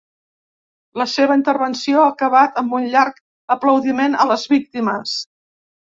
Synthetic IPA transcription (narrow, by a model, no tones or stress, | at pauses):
ləseβəint̪əɾβənsioakəβat̪əmbunʎaɾk | əpləwðimenələzβik̚t̪iməs